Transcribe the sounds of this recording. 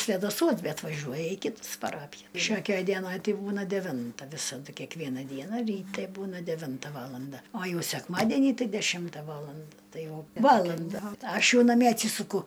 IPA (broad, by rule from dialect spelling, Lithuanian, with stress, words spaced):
sʲʋʲɛdɐˈsuɔs ˈbʲɛt ʋɐˈʒʲuɔjɛ iː ˈkʲɪtɐs pɐˈrɑːpʲɪjɛ ˈʃʲoːkʲɛj ˈdʲiɛnɐj ˈtʲɪ ˈbuːnɐ dʲɛˈʋʲɪntɐ ˈʋʲɪsɐdʊ kʲɛkˈʋʲiɛnɐ ˈdʲiɛnɐ rʲiːˈtʲɛ ˈbuːnɐ dʲɛˈʋʲɪntɐ ˈʋɑːlˠɐndɐ oː ˈjɛʊ sʲɛkˈmɑːdʲɛnʲiː ˈtɐɪ dʲɛˈʃʲɪmtɐ ˈʋɑːlˠɐnt ˈtɐɪ ˈjɛʊ ˈʋɑːlˠɐndɐ ˈɐʃ ˈjɛʊ nɐˈmʲiɛ ɐtʲˈsʲiːsʊkʊ